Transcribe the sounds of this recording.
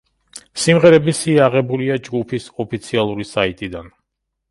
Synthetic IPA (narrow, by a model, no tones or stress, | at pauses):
simʁɛɾɛbisiaʁɛbuliad͡ʒɡupʰisɔpʰit̪sʰialˠuɾisait̪ʼid̪an